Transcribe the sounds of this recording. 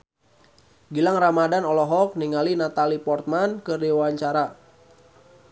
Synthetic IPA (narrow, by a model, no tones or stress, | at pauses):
ɡilaŋramadanɔlɔɦɔk̚niŋalinat̪alipɔrt̪̚mankɨrdiwaɲt͡ʃaɾa